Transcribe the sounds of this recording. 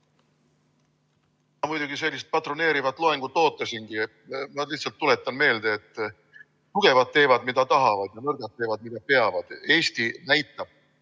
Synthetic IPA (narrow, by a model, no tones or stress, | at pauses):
ɑmujd̪̥uɡ̥is̬e̞lːist̪̚pɑt̪ro̞ne̞ːɾivɑt̪ːˑloeŋɡ̥ut̪ːˑo̞ːt̪ːˑɑsinɡ̥i | mɑliht̪sɑlt̪ːulet̪ːˑɑnme̞ːld̪eːt̪ˑː | t̪uɡ̥e̞vɑt̪ːe̞ːvɑd̪mid̪̥ɑt̪ɑɦɑvɑd̪̥jɑnɤrɡ̥ɑt̪ːe̞ːvɑd̪̚mid̪ɑpe̞ɑvɑd̪̥e̞ːst̪inæjt̪ˑːɑb̥̚